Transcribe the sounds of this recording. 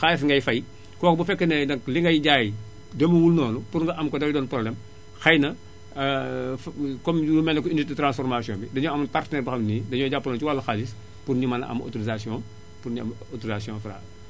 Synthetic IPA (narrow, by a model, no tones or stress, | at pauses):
xalis̬ŋɡɐjfɐj | kɔːkbufɛkːənɐdɐkliŋɡɐjɟaːj | dɐmuwulnɔːnupuɾŋɡɐʔɐmkɔdɐwidɔːnprɔblɛm | xɐjnɐ | fkɔmumɛnɐkɔinːit̚dətɾãnsfɔrmasijɔ̃ːmbidɐɲɔɐmɐntartnɛɾbɐxɐmnidɐɲɔːɟapːɐlɐnt͡ʃuwalːɐxalis | purɲumɐn̰ʔɐ̰mo̰tuɾizasiɔ̃ | puɾɲuɐm | otuɾizasijɔ̃ːfɾa̰ː